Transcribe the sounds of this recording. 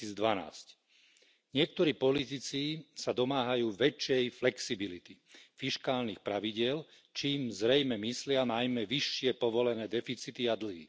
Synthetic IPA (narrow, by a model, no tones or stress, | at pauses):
iːd͡zd̪ʋana̰ːsc | ɲɪɛk̚t̪ɔɾiːpɔlit̪it͡sisad̪ɔmaːɦajuːʋɛt͡ʃɛjflɛksibilit̪i | fiʃkaːlniːxpɾaʋiɟɪɛl | t͡ʃiːmzɾɛjmɛmislɪanajmɛʋiʃːɪɛpɔʋɔlɛnɛːd̪ɛfit͡sit̪iad̪l̩ɦḭː